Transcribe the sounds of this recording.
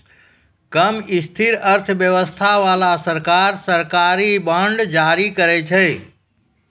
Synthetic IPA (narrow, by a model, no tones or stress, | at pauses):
kəmist̪ʰiɾəɾt̪ʰəbjəʋəst̪ʰaʋalasəɾkaɾsəɾkaɾibəɳɖd͡ʒaɾikəɾɛt͡ʃʰɛ